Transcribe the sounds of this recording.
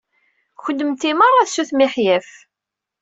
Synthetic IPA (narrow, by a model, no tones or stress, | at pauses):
çəd̪ːəmt̪ːiməɾæθsuθmiħjæf